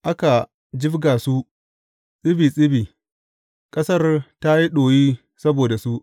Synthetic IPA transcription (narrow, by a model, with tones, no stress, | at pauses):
ʔa˦ka˨ | d͡ʒɪ˦bɡaː˨su˦ | sʼɪ˦biː˨sʼɪ˦biː˨ | kʼɐ˦sɐ˦rta˦ji˦ɗoː˨jiː˦ | sɐ˦boː˨da˨su˦ʔ